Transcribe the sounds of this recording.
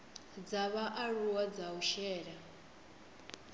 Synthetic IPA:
d͡zaβaʔaɺuwad͡zauʃɛːɺa

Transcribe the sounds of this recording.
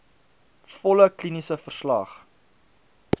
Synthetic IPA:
fɔləklinisəfərslɐχ

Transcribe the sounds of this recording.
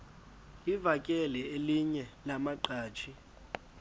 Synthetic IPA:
ivakʼɛlɛeliɲɛlamaǃaːt͡ʃʰi

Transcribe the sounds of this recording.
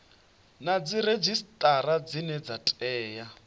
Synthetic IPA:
nad͡ziɾed͡ʒistʼaɾad͡zinɛd͡zatʼɛːja

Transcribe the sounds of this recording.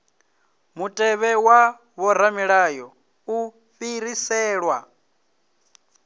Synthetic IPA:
mutʼɛβɛwa | βɔɾamiɺaːjɔ | u | ɸiɾisɛːɺwa

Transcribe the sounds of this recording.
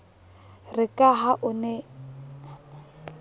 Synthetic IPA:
rɪkʼaɦaʔʊnɛ

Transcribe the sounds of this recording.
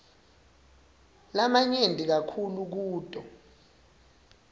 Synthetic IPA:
lamaɲendʱʼik̬akʰuluk̬uːtʼɔ

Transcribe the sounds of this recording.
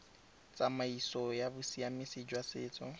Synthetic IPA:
t͡sʼamaisɔjabʊsiamɪsɪd͡ʒwasɪːt͡sʼɔ

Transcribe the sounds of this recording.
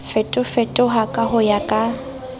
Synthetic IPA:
fɛtʼʊfɛtʼʊɦakʼaɦʊjakʼa

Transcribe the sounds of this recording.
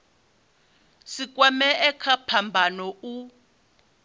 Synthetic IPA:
sikʼwamɛɛkʰapʰambʱanɔu

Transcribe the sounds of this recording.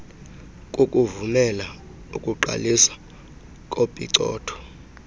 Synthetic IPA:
kʼukʼuvumɛla | ukʼuǃa̰lisḁ | kʼopʼḭǀɔ̰ːtʰɔ̥

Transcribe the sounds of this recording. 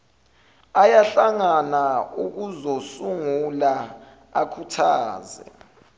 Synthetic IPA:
ajaɬaŋanauk̬uzosuŋula | akʰutʰaːzɛ̰

